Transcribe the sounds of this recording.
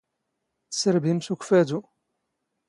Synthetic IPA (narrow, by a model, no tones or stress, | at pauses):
θsəɾbimsukfæd̪u